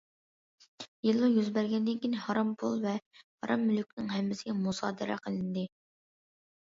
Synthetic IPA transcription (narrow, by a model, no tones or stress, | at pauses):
jilˠːujyzbæɾɡʲɛnd̪ɪnkʲinɪhɑɾɑmpʰulˠvɛhɑ̰ɾʔɑmːylykʲnɪŋɦɛmːɪsɪɡʲɛmusɑ̰ːd̪ɨɾɛ̰qʰəlˠɨnd̪ɨ